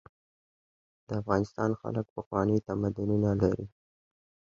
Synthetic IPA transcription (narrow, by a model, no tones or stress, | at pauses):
d̪̥əafɣɑnɪst̪ɑnxa̰lək̚pəxwɑnəjt̪amad̪ʊnunalaɾi